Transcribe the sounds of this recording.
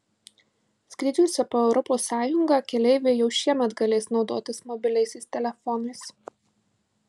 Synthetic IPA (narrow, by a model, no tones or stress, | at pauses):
sʲkʲɾʲɪd̪ʲuʊsʲɛpoːɛʊɾɔpoːsːɑːjʊŋɡɑːˑkʲɛlʲɛɪʋʲeːjɛʊʃʲiɛmʲɛt̪ɡɐlʲeːsnɒʊd̪oːt̪ʲɪsmɔbʲɪlʲɛɪsʲɛɪsʲt̪ʲɛlʲɛfɔnɐɪs